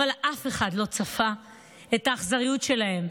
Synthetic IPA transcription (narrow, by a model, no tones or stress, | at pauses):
alʔafeχadlo̞t͡safa | etaːχzaʁijutʃe̞lahe̞m